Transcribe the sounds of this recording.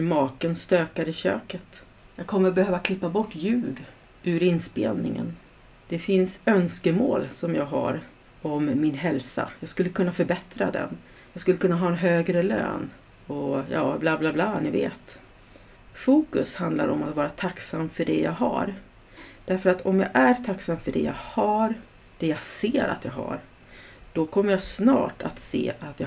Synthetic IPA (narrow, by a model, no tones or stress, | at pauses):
ɾmɑːkənst̪øːkaɾɪɕø̰ːkət̪ | jɑːɡ̚kʰɔmːəɾɔbɛhøːvakʰlɪpːabɔʈːjʉ̟ːɖ | ʔʉɾɪnːspḛːlnɪŋə̰n | d̪̥ɛfɪnsœnskəmoːlsɔmjɑːɡɦa̰ɾ | ɔmːɪnɦɛlsa̰jɑːɡskɵlːəkʰɵnːafœɾbɛt̪ɾa̰d̪ɛ̰n | jɑːɡskɵlːəkʰɵnːaɦɑːɛnɦøːɡɾəlø̰ːn | ɔjɑːblaːblaːblaːnɪvḛːt̪ | fuːkɵshand̪la̰ɾɔmat̪vɑːɾat̪ʰaksamːfœɖɛja̰ɡɦa̰ɾ | d̪̥æɾfœɾat̪ʰɔmjaːʔæɾt̪ʰaksamfœɖɛ̰ja̰ɡhaɾ | d̪̥ɛjaɡseːɾa̰t̪jaɡɦa̰ɾ | d̪̥ɔkʰɔmːəɾjasnɑ̰ːʈʰat̪sḛːat̪ja